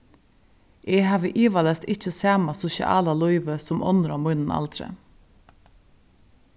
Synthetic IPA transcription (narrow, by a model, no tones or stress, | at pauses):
ʔeːhɑːʋəʔiːʋɑlɛst̪ɪc͡çəsæːmɑsʊʃɪ̰ʔɑ̰ːlɑlɔʏʋəsɔmʔɔ̰nɾɔmʉnn̩ɑ̰lt̪ʰɾɛ̰